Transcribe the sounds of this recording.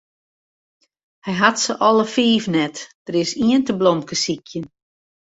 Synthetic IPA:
hɛjɦatsəʔɔlˠəfiːvnɛtd̥əɾɪsiəntəblɔmkəsikʰjən

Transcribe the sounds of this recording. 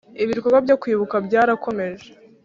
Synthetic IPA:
iβiɾkoɡwabjokwiːβukabɟaːɾakʰo̞me̞ʒe

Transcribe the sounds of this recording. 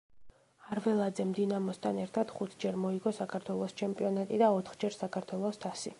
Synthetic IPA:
aɾvɛlˠad̪zɛmd̪inamɔst̪ʰanɛɾt̪ʰad̪̥χut̪ʰd͡ʒɛɾmɔiɡɔsakʰaɾt̪ʰwɛlˠɔst͡ʃʰɛmpʼiɔnat̪ʼid̪aɔt̪ʰχd͡ʒɛɾsakʰaɾt̪ʰwɛlˠɔst̪ʰasi

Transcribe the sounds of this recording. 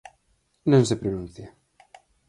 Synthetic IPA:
nõŋsepɾonunθja

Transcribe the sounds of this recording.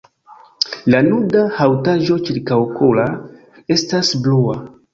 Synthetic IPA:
lanudahawtaʒo̞t͡ʃiɾkawkʰola | e̞stasblua

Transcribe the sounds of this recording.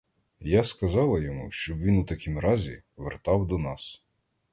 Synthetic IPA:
jaskɐzɑlˠɐjɔmuʃt͡ʃɔbʋʲinwt̪ɐkʲimɾɑzʲiʋert̪ɑwd̪ɔnɑs

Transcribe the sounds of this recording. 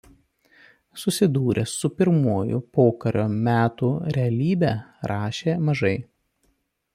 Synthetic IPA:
sʊsʲɪd̪uːɾʲʔɛsʊpʲɪɾmuːjʊ̰poːkɐɾʲo̰ːmʲæːt̪uɾʲɛɐlʲiːbʲɛːɾʔɑːʃʲeːmɐʒɐɪ

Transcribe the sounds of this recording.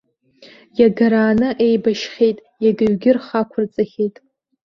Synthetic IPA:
jaɡaɾaːnɨʔe̞jbaʃχʲejtʼ | jaɡɨɥɡʲɪrχakʷʰʊrt͡sʼaχʲejtʼ

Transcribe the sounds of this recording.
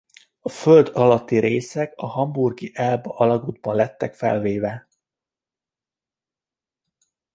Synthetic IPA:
ɒføld̪ɒlɒt̪ːiɾeːsɛkɒɦɒmburɡiʔɛlbɒɒlɒɡuːd̪̚bɒnlɛt̪ːɛkfɛ̰lveːvɛ

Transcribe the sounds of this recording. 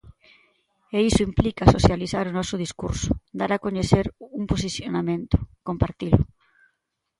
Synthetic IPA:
eisʊimplikasoθjaliθaɾʊnɔsʊð̞iskuɾsʊ̥d̪aɾakoɲeθeɾuŋpos̬iθjonamẽnt̪ʊ̥kompaɾt̪ilʊ̰

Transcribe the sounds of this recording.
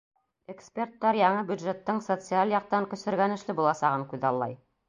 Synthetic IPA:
ekspʲert̪ːɑɾjɑɴɤbjud̪ʒet̪ːɤɴsot̪sɨalʲˠjɑq̚t̪ɑŋkɵ̆sɘ̆ɾɡænɘ̆ʃlɘbulˠɑsɑʁɤɴkʉðɑlˠːɑ̰j

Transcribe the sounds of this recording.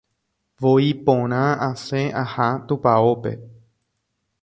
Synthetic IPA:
ʋoipõɾ̃ããsẽʔahat̪upaope̞̰

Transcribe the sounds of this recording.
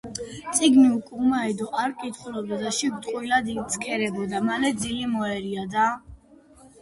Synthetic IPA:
t̪sʼiɡmiukʼumaɛd̪ɔʔaɾkʼit̪χulɔbd̪ad̪aʃiɡt̪ʼqʼwilad̪it̪sʰkʰɛɾɛbɔd̪amalɛd̪zilimɔɛɾiad̪a

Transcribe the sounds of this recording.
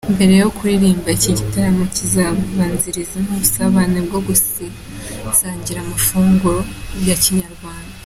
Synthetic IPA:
imbe̞ɾe̞jo̞kuɾiɾiːmbaciɟitaɾamocizaββaːnziɾizenoβusaβaːnebɡoɡusi | saːɲɟiɾamufuːŋɡuɾobjaciɲaɾɡwaːnda

